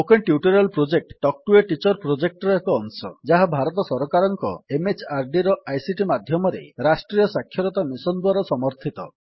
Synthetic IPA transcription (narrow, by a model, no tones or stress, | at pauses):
okenʈjuʈɔɾelpɾod͡ʒek̚ʈːɔk̚ʈueʈit͡ʃɔɾpɾod͡ʒek̚ʈɔɾɔekɔːŋsɔ̰d͡ʒaɦabʱaɾɔt̪ɔsɔɾɔkaɾɔŋkɔ̰emet͡ʃʰaɾɖiɾɔʔajsiʈimad̪ʱjɔmɔɾḛɾasʈɾijɔsakʰːjɔɾɔt̪amisɔnd̪waɾɔsɔmɔɾt̪ʰit̪ɔ̰